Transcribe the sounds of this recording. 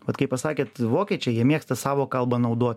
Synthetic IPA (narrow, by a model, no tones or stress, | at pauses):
ʋɐt̪kɐɪpɐsɑːkʲeːt̪ʋoːkʲɛːt͡ʃʲɛjiɛmʲiɛkst̪ɐsɑːʋoːkɐlˠbɐnɐʊd̪oːt̪ʲ